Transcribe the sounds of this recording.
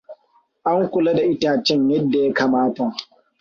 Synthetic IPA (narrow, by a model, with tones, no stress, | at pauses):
ʔa˦ŋkʷʊ˨lɐ˦da˨ʔɪ˦taː˨t͡ʃɛ˦ɲjɐ˦dːa˨ja˦kaː˨maː˦ta˨